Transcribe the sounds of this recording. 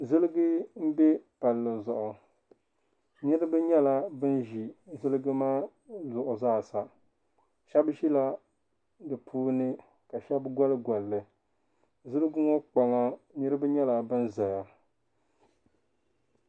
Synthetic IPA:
zɨ˦lɨ˦ɡɨ˦m̩˦bɛ˦pa˨lːɨ˨zʊ˨ʔʊ˨ | ɲɨ˦ɾɨ˦bɨ˦ɲɛ˦la˨bɨ˦nʒi˨zɨ˦lɨ˦ɡɨ˦maː˦ | zʊ˨ʔʊ˨zaː˦˨sa˨ | ʃɛ˦bʃi˦la˦ | dɨ˨pʰuː˦nɨ˦ | ka˨ʃɛ˦bɡʷɔ˦lɨ˦ɡɔ˨lːɨ˨ | zɨ˦lɨ˦ɡɨ˦ŋɔ˦k͡pa˨ŋa˦ɲɛ˦ɾɨ˦bɨ˦ɲɛ˦la˨bɨ˦nza˨ja˨

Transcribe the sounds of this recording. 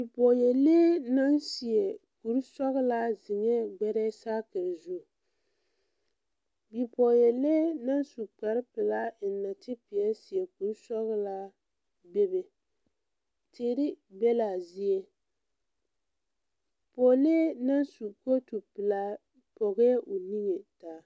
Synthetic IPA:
bi˨pɔ˨jɛ˨leː˦na˦nsi˨ɛ˨ku˨ɾsɔ˦ɣɨ˦la˦zɪ˨ŋɛ˦ɡ͡bɛ˦ɾɛ˦saː˦ka˨zu˦˨ | bi˨pɔ˨jɛ˨le˦na˦n˦su˨k͡pa˨ɾɪ˦pɨ˨la˦˨nːa˨tɪ˦pi˨ɛ˦si˨ɛ˨ku˨ɾsɔ˦ɣla˦ | be˦bɛ˨ | teː˦ɾi˦bɛ˦la˨zi˦ɛ˦ | po˨leː˦na˦nsu˨ko˦tu˨pɨ˨la˦ | pɔ˨ɣɛ˦ʔʊ˨ni˦ŋɛ˨taː˨˦

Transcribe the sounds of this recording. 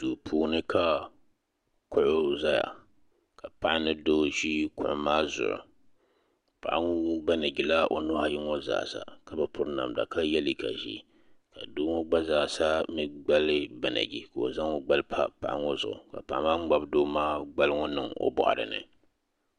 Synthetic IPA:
duː˨pʰuː˨nɨ˦ka˦ | kʊ˦ʔʊ˦za˦ja̰˨ | ka˨pa˦ʔa˦nɨ˦doː˦ʒi˦kʊ̰˨ʔʊ˨˦maː˦zʊ̰˨ʔʊ̰˨ | pa̰˨ʔa˦ŋo˦ba˦na˨ɡi˨la˦ʔo˨nʊ˦ha˨ji˦ŋɔ˦za̰ː˨sa̰˨ka˦bɛ˨pʊ˦ɾna̰˨mda̰˨ka˦jɛ˦li˦ka̰˨ʒḭ˦ | ka˨doː˦ŋo˦ɡ͡ba˦zaː˨sa˦mɨ˨ɡ͡ba˦lɨ˦ba˨na̰˨ɡi˨ka˨o̰˨za˦ŋo˦ɡ͡ba˦lpʰa̰˦pa̰˨ʔa̰˦ŋɔ˦zʊ̰˨ʔʊ˨ka̰˨pa˨ʔa˦maː˦ŋ͡m̩˦ɡ͡ba˦bdoː˦maː˦ɡ͡ba˦lŋɔ˦nɨ˨ŋo̰˦bɔ̰˨ʔa̰˨ɾɨ̰˨nɨ̰˨

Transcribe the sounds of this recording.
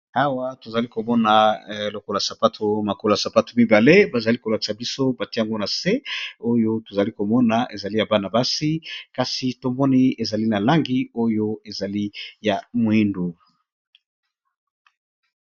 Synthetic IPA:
a˦wa˦to˨za˨li˦ko˨mɔ˦na˨lo˨kɔ˦la˨sa˨pa˦tʰo˨ma˨ko˦la˨sa˨pa˦to̥˨mi˦ba˨le˦ba˨za˨li˦ko˨la˨ki̥˨sa˨bi˦so˦ba˨ti˦ja˨ŋɡo˦na˨se˦o˦jo˦to˨za˨li˦ko˨mɔ˦na˨ʔe˨za˨li˦ja˨ba˦na˨ba˦si˦ka˨si˨to˨mɔ˦ni˦e˨za˨li˦na˨la˦ŋɡi˦o˦jo˦e˨za˨li˦ja˨mwi˦ndu˨

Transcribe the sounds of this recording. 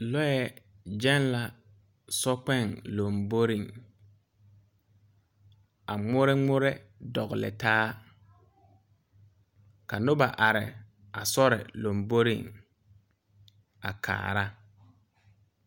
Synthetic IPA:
lɔ˦jɛ˦ | d͡ʒɛ˦n˦la˨ | sɔ˦k͡pɛ˦˨ŋlo˨mbo˦ɾi˨ŋ | a˨ŋ͡mʊ˦ɾɪ˦ŋ͡mʊ˦ɾɛ˦ | dɔ˨ɣʊ˨lɪ̰˨taː˦ | ka˨nʊ˦ba˨ʔa˨ɾɪ̰˨ | a˨sɔ˦ɾɪ̰˨lo˨mbo˦ɾḭ˨ŋ | a˨kʰa̰ː˨ɾa˦

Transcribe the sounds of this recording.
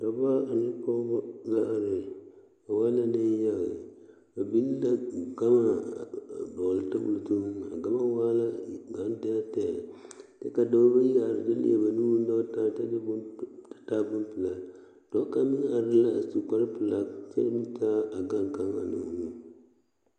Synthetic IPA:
da˨ba˦a˨ni˦po˦ɡa˦ʔa˨ɾe˨ | a˨wa˦la˦ne˦ja˦ɣḛ˨ | a˨bi˦lla˦ɡa˦ma˦˨ | bɔ˨lta˦bṵ˨ltu˦n˦a̰˨ɡa˦ma˦wa˦la˦ɡa˨˦n˦dɛ˦tɛ˨te˦ka˨da˦ba˦ja˨ɾdi˦lḭ˦a̰˨ba˨nu˦u˦n˦da˦ta˦te˦dba˨ta˦bu˦n˦pɨ˨la˨ | d̥ɔ˦ka˦mi˦ŋ˦a˨ɾɨ˦la˦a˨su˨ka˦lpɨ˨la˨sḛ˦ɾmi˦ta˦a˨ɡa˦ŋka˦ŋa̰˨nṵ˨nu˦

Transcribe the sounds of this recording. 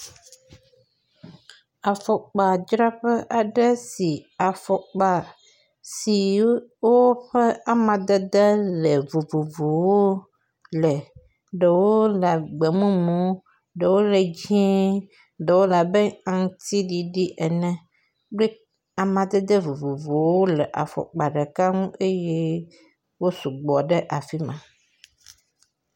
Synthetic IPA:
a˨fɔ˨k͡pa˨d͡ʒɾa˦ɸɛ˦ʔa˨ɖɛ˦si˨a˨fɔ˨k͡pa˨ | si˨wo˦ɸɛ˦a˦mã˨d̪ɛ˦d̪ɛ˦lɛ˨vu˨vu˨vu˨wo˦ | lɛ˨ | ɖɛ˨wo˦la˨ɡ͡be˨mũ˦mũ˦ | ɖe˨wo˦le˨d͡ʑĩ˦ | ɖe˨wo˦la˨bɛ˦ã˨ŋ˦t̪i˦ɖi˨ɖi˦ʔɛ˨nɛ̃˦ | ɖe˦ | a˨mã˨d̪ɛ˦d̪ɛ˦vu˨vu˨vo˨wo˦lɛ˨ʔa̰˨fɔ̰˨k͡pa˨ɖɛ˨ka˦ŋũ˦ʔe˦je˦ | wo˦su˨ɡ͡bɔ˨ɖe˦ʔa˨fi˦mã˨

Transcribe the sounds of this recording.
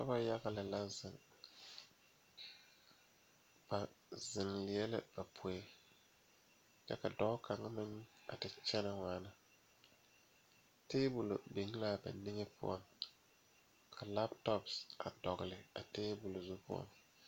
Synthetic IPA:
ka˦ba˦ja˦ɡa˨lɪ˨la˦zɪ˨ŋ | ba˨zɪ˨ŋlɪ˨jɛ˦lɪ̰˦b̥a˨pʰʊ˨ɛ˦ | kɛ˦ka˨dɔ˨˦ka˨ŋa˦mɪ˦ŋ˦a̰˨tɪ˦t͡ʃɛ˦na˨ŋaː˦na˦ | teː˦bu˨lo̰˨bi˨ŋ˦la˦˨ba̰˨nɪ˦ŋɛ˦pʰʊ̰˦ɔ̰˦ŋ | kʰa˨la˦btɔ˦psa˨dɔ˨ɣɪ˨lɪ˨a̰˨teː˦bu˨lo˨zu˦pʊ̰˦ɔ̰˦ŋ

